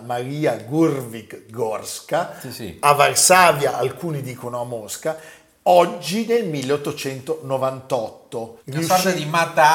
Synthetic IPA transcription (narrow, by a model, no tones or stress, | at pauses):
maɾiːaɡurvikɡɔrskaḭavarsaːvjaʔalkuːnid̪iːkonoamːoska | ɔd͡ʒːinelmilːeot̪ːot͡ʃɛnt̪onovant̪ɔt̪ːoraiuat̪ad̪imat̪a